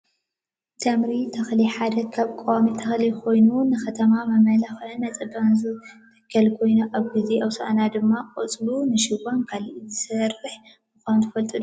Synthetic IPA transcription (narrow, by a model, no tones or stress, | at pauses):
t̪ʰɐmɾit̪ʰɐxliħad̪ɐkʰaβkʼowamit̪ʰɐxlikʰo̞jnunɨxɐt̪ʰɐmamɐmɐlɐxʔɨnɐt͡sʼɨbanzɨt̪ʰɐ̥kʰːɐlkʰo̞jnuʔaβɡizeʔɐwsɐʔanad̪ɨmːakʼot͡sʼlunɨʃɪβankʰalʔizɨsɐrːɨħ | mɨxʷanut̪ʰɨfɐlt̪ʼud̪